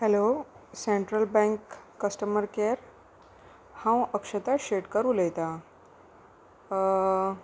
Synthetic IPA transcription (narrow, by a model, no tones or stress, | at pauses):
hɛloseɳʈɾəlbɛ̃ŋkː | əsʈəməɾkeɾ | hãwəkʂət̪aɕeʈkəɾuːləjt̪a